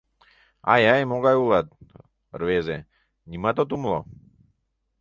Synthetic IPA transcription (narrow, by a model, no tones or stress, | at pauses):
a̰jajmɔɡajulat̪̚ | rvɛzɛ | nimat̪ɔt̪umlˠɔ̰